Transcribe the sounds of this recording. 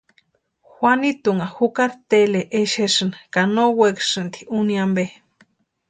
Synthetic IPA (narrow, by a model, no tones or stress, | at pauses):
xwʷanit̪uŋaxukaɾt̪eleʔeʃeʂɨnkanowekʂɨnt̪iuniambe